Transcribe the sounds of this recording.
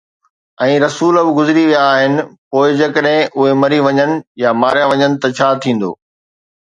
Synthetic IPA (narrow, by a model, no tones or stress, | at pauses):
ɛ̃ːɾɐsuːləbɪɡʊzɪɾiʋijaːɦɪnɪ̆poːɪd͡ʑɐkəɗɦɪ̃ʔʊɦemɐɾiʋɐɲənɪ̆jamaːɾijãʋɐɲənɪ̆t̪ɐt͡ɕʰaːt̪ʰĩːn̆d̪o̰ː